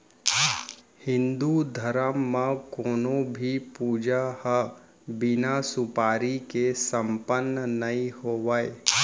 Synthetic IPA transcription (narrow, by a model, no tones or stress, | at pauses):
hɪ̃nd̪ud̪ʱəɾəmːãkoːnõbʱipuːd͡ʒahə | bɪnasʊpaːɾikesə̃mpənːənɐĩhoːʋaːe